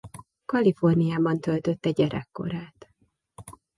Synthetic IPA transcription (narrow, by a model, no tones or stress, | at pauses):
kɒlifo̞rnijaːbɒnt̪ølt̪øt̪ːɛɟɛɾʔɛ̰kːo̞̰ɾaːt̪